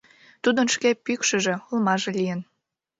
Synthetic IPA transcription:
t̪ud̪ənʃkepykʃə̆ʒe̽ulmɑʒĕlʲijən

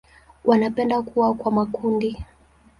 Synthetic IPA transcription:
wʔanapɛndakuwakwamakundi

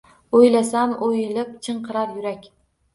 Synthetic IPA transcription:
ojlasamʔojɪlɪpt͡ʃʰɨɴqʰɨɾaɾjʊɾakʲ

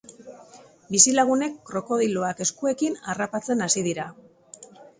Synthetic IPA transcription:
bisilaɣ̞une̞kːɾo̞ko̞ð̞ilo̞ake̞skue̞kinarapat͡se̞nasiðiɾa

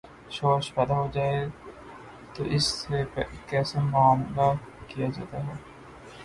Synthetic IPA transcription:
ʃoːʃpɛd̪aɦoːd͡ʒaːe | t̪oʔɪsepkɛːsemaːmlakijad͡ʒaːt̪aɦɛː

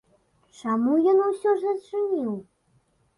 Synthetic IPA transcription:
t͡ʂamujɔnusʲɔʐɐt͡ʂɨnʲiw

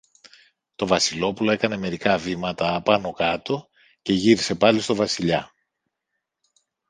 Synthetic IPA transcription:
t̪o̞vɐsilo̞pulo̞e̞kɐne̞me̞ɾikɐvimɐt̪ɐːpɐno̞kɐt̪o̞ | ce̞ʝiɾise̞pɐlist̪o̞vɐsiʎɐ

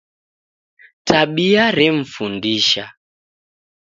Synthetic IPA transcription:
taɓiaɾɛm̩fundiʃa

